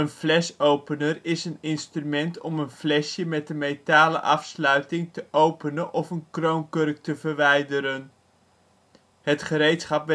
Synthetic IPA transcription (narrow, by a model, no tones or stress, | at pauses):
ənvlɛsowpənərɪsənɪnstrymɛntɔmənvlɛʃjəmɛtdənmejtaːlə̰ʔɑfslœɥtɪŋtəʔowpənənʔɔfənkrowŋkɵrk̚təvəɹʋɛjdəɾən | ɦətχəɾejtsχɑpʋ